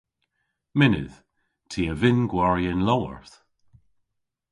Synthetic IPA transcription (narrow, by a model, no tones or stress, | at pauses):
mɪnɪ̰ð̥ | tʰiːəvɪnɡwaɹjənlɔwə̰ɹθ